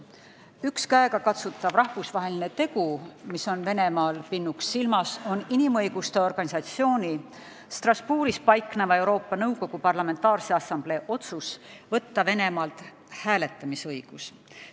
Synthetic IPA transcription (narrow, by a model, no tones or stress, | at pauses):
ykskæeɡ̥ɑkɑt̪sut̪ːˑɑbrɑhvusvɑɦe̞line̞t̪e̞ɡumiso̞nve̞ne̞mɑːlpinːuksːilmɑso̞ninimɤjɡ̥ust̪e̞o̞rɡ̥ɑnʲisɑt̪sio̞ːnʲi | st̪rɑspuːɾispɑjkːˑnemɑe̞wɾo̞ːpˑːɑnɤwko̞ɡ̥upɑrlɑme̞nt̪ːˑɑːrseɑsɑmble̞ʔo̞t̪susvɤt̪ːɑve̞ne̞mɑːlt̪ | hæːle̞t̪ːˑɑmisɤjɡ̥us